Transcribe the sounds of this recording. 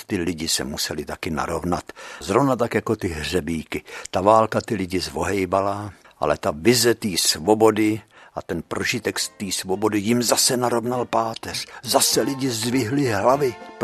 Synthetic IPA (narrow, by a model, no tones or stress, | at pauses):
t̪ɪlɪɟɪsɛ̰musɛlɪt̪akɪna̰ɾo̞vna̰t̪zɾovnat̪akjako̞t̪ɪɦr̝ɛbiːkɪt̪avaːlkat̪ɪlɪɟɪzvo̞ɦɛjbala | ʔa̰lɛt̪avɪzɛt̪iːsvo̞bo̞dɪʔat̪ɛnpɾʔoʒɪt̪ɛkst̪iːsvobo̞dɪjɪmzasɛnaɾo̞vnalpaːt̪ɛr̥zasɛlɪɟɪzdvɪɦlɪɦlavɪp